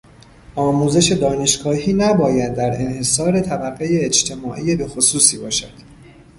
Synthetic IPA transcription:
ʔɒːmuːze̞ʃe̞d̪ɒːne̞ʃɡɒːhiːnæbɒːjæd̪̚ːæɾe̞nhe̞sɒːɾe̞t̪ʰæbæɣːejeed͡ʒt̪ʰe̞mɒːʔijebe̞xo̞suːsiːbɒːʃæd̪̥

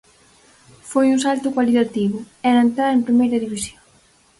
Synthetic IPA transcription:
fojũnsalt̪ʊkwalit̪at̪iβʊ | ɛɾaent̪ɾaɾempɾimejɾɐðiβisjoŋ

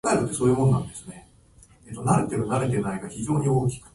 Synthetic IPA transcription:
aeɾɯt̪ːe̞so̞ːjɯ̟ːmõ̞nnãnd̪e̞sɨ̥ne̞ | et̪ːonaɾet̪eɾɯ̟naɾe̞t̪e̞naiɡaçiʑo̞ːɲ̟io̞ːk̬ʲi̥kɯ̟̥

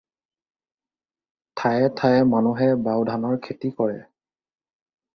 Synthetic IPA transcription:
tʰajɛtʰajɛmanuɦɛbawdʱanɔɹkʰetikɔɹɛ

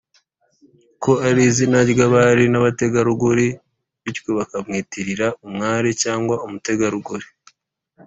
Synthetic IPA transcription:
ko̞aɾizinaɟɡaβaɾinaβate̞ɡaɾuɡuɾi | βickoβakamŋiːtiɾiɾaʔumŋaːɾicaːŋɡwaumute̞ɡaɾuɡuɾi̥

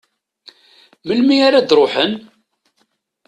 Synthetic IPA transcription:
məlmiaɾad̪ɾˤoħən

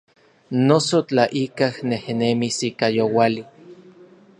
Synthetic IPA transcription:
nosot͡ɬaʔikahnehnemisikajowali

